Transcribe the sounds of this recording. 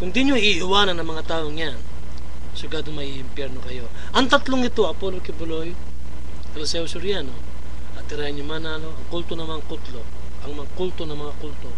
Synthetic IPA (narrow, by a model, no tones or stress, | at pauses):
kʊnd̪iɲoiʔɪwaːnɐnːɐŋmɐŋat̪aːʔoŋjan | soɡaːd̪oŋmɐʔiʔɪmpjɛɾnokɐjo̞ | ʔɐŋt̪ɐt̪loŋɪt̪o̞ʔɐpolokɪbʊloj | kɐlosɛʊsʊɾɪjano̞ | ʔɐt̪ɪɾaːjɪɲʊmanaloʔɐŋkult̪onɐmaŋkʊt̪lo̞ | ʔɐŋmɐŋakult̪onɐŋmɐŋakult̪o